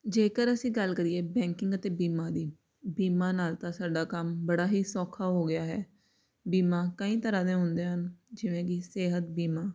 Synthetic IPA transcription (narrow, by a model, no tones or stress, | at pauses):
d͡ʒeːkəɾəsĩːɡəlkəɾiːeːbɛ̃ːŋkɪ̃ŋɡət̪eːbiːmãːd̪iː | biːmaːnaːlt̪ãːsaːɖaːkəmbəɽaːɦiːsɔːkʰaːɦoːɡɪjaːɦɛː | biːmãːkəĩːt̪əɾãːd̪ẽːɦʊ̃nd̪eːɦənd͡ʒɪʋẽːkiseːɦət̪̚biːmaː